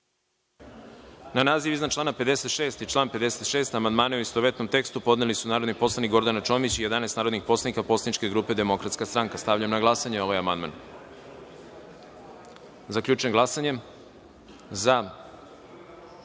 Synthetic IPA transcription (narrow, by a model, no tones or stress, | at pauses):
nanaːziʋiznat͡ʃlˠaːnaped̪e̞se̞t̪ʃe̞ːst̪it͡ʃlˠaːnpe̞d̪e̞set̪ʃe̞ːst̪amand̪maːneuist̪oʋe̞t̪no̞mt̪e̞kst̪upo̞d̪nelisunaːɾo̞d̪nikpo̞slˠanikɡo̞ɾd̪anat͡ʃo̞ːmit͡ɕije̞d̪anesnaːɾod̪nixpo̞slˠanikapo̞slˠanit͡ʃke̞ɡɾuːpe̞d̪e̞mo̞kɾat̪skast̪ɾaŋkast̪aʋvʎamnaɡlˠasaɲeo̞ʋajamand̪ma̰n | zakʎʲuːt͡ʃuemɡlasaɲe̞m | za